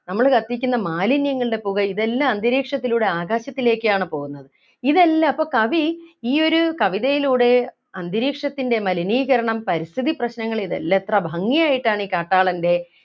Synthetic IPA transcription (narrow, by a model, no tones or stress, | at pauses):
nɐmːɐɭkɐt̪ːikʲːunːɐmaːlinjɐŋːɐɭɨɽe̞puɣɐiðelːaːnd̪iɾiːkʂɐt̪ːiluːɽe̞aːɡaːɕɐt̪ːile̞ːkːɨjaːɳɨpo̞ːɣunːɐðɨ | iðelːaːpːo̞ːkɐʋiiːo̞ɾukɐʋiðɐjiluːɽe̞ | ɐnd̪ʱiɾiːkʂɐt̪ːinde̞mɐliniːɣɐɾɐɳɐmpɐɾist̪ʰiðiprɐɕnɐŋːɐɭiðḛlːet̪rɐbʱɐŋːijaːjiʈːaːɳiːkaːʈːaːɭɐnde̞